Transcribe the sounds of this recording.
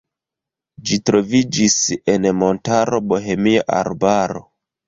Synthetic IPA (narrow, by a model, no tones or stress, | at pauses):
d͡ʒitɾo̞vid͡ʒise̞nmo̞ntaɾo̞bo̞ɦe̞miaʔa̰ɾbaɾo̞̰